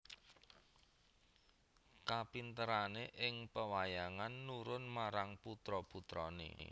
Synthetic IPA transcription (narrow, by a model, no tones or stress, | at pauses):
kapint̪əɾaneʔɪŋpəwajaŋanːuɾʊnmaɾaŋput̪ɾɔput̪ɾɔnḛ